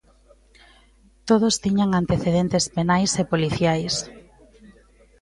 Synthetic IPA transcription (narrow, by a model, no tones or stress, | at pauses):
t̪oðost̪iɲaŋant̪eθeðent̪espenajsepoliθjajs